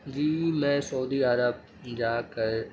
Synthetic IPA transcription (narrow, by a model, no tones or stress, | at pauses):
d͡ʑiːmɛ̃ːsɐuːd̪iːaɾəb̚ | d͡ʑaːkɐɾ